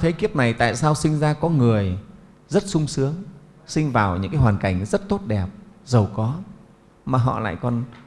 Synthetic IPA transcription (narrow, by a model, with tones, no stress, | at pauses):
t̪ʰə˨˦jki˦˥əp̚na˨˩jt̪a̰ː˧˨jsaː˧wsï˧ŋ̟zaː˧kɔ˨˦ŋɨ˨˩əj | zə˦˥t̚sʊ˧ŋ͡msɨ˨˦əŋ | sï˧ŋ̟vaː˨˩wɲɨ̰˧˥ŋkaː˨˦jhwaː˨˩nka˧˩jŋ̟zə˦˥t̚t̪o˦˥t̚ɗɛ˨˩p̚zə˨˩wkɔ˨˦ | maː˨˩ɦɔ̰˧˨la̰ː˧˨jkɔ˨˩n